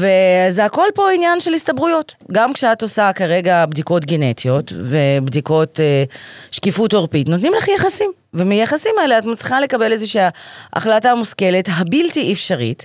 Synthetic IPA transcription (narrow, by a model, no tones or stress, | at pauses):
veazako̞lpo̞injanʃe̞listabʁujo̞tɡamkʃeatosakaʁe̞ɡabdiko̞tɡenetijo̞tve̞bdiko̞teʃkifutoʁpitnotnimlaχjaχasim | vemijaχasimaeleatmot͡sliχale̞kabe̞lezeʃiaʔa̰χlatamuske̞letɦabiltiʔefʃaʁḭt